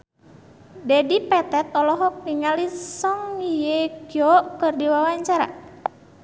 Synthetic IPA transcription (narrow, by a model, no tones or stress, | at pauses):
dɛdipɛt̪ɛt̪̚ɔlɔɦɔk̚niŋalisɔŋijeɡɔʔkərdiwawaɲt͡ʃaɾa̰